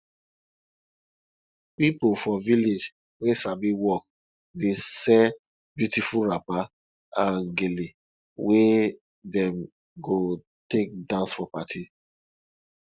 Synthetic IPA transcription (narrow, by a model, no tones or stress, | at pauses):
pipofɔviled͡ʒ | wesabiwɔk̚ | desɛ | bjutifuɹapa | ãnɡeli | we | dɛ̃m | ɡo | tek̚dãnsfɔpatʰi